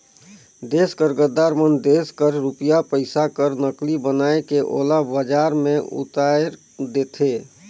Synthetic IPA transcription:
d̪eːskəɾɡəd̪aːɾmənd̪eːskəɾɾupijapəɪsakəɾnəklibənaːekeʔo̰ːlabəd͡ʒaːɾmẽʊ̰t̪aeɾ | d̪eːt̪ʰeː

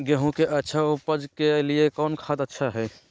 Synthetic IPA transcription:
ɡeɦũkeʔətːʃʰaupəd͡ʒkeliekɔːnkʰad̪ətːʃʰaɦɛ

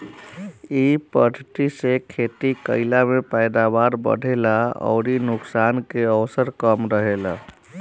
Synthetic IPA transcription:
ipəʈʈisekʰet̪ikəɪlamepəjd̪abaɾbə̰ɽʱelaɔ̰ʊɾinʊksankeəwsəɾkəmɾəɦela̰

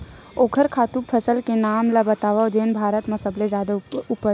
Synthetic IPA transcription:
oːkʰəɾkʰaːt̪upʰəsəlkenaːmlabət̪aːʋad͡ʒ̪eːnbʱaːɾət̪mãsəbled͡ʒaːd̪aʊpə

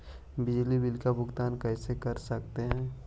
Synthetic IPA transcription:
bɪd͡ʒlibɪlkabʱʊɡt̪aːnkɛːsekɐɾsɐk̚t̪eɦɛ̃ː

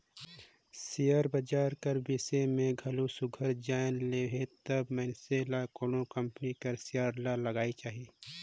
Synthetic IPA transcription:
sijəɾbəd͡ʒaːɾkɐɾbisemẽɡʱɐlusʊɡʱəɾd͡ʒaːɪnleːɦet̪ɐbmɛnselakoːɽõkə̃mpnikɐɾsijaːɾlalɐɡaːit͡ʃaːɦieː

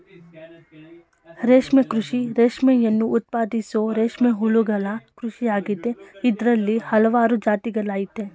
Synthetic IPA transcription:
ɾeːʂmekɾuʂiɾeːʂmɛjɐnːuʔːt̪̚paːd̪isoːɾeːʂmeɦuɭuɡɐlɐkɾuʃijaːɡid̪e̞id̪ɾɐlːihɐlɐʋaːɾud͡ʒaːt̪iɡɐlaːjit̪ːe̞

